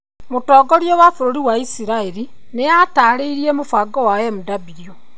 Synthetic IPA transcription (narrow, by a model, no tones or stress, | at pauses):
motɔːɡoɾjowafuɾoɾiwaisiɾaeɾi | nejataɾeiɾiemofaɡɔwajemudabiɾjo